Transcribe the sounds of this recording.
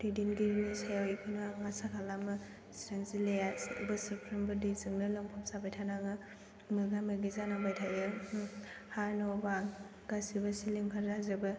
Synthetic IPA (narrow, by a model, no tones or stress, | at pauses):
dedinɡiɾinisajawipʰɯnaŋasakʰalamɯ | sɾaŋsilejasbɯsipʰɾɯmbɯdizɯŋnɯlɯmpʰɔp̚sabajtʰanaŋɯ | mɯɡamɯɡizanabajtʰajɯ | haɾnɔbaŋ | ɡasibɐsilimkʰaɾːazɯbɯ